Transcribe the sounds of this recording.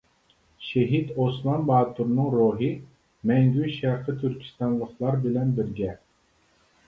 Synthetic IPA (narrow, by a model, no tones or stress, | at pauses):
ʃeɦit̪osmˠɑnbɑːt̪ʰuɾnɨŋɾuɦɨ | mɛŋɡʲyʃæɾqʰət̪ʰyɾkʲʰi̥st̪ɑnlˠəχlˠɑɾbɪlɛnbɪɾɡʲɛ